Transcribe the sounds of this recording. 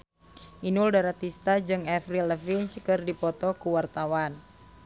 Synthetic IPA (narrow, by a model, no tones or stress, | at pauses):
ʔinuldaɾat̪ist̪ad͡ʒɨŋɛfriləfinskɨrdipɔt̪ɔkuwart̪awan